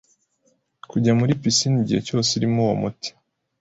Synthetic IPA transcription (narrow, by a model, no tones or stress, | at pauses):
kuɟamuɾipisiniɟihe̞̰co̞ːsiɾimuwo̰muti̥